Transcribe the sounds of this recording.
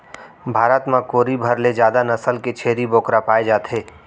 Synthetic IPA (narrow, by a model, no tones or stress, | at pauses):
bʱaːɾət̪mãkoːɾibʱɐɾled͡ʒjaːd̪anɐsəlket͡ʃʰeːɾiboːkɾapaːed͡ʒaːt̪ʰeː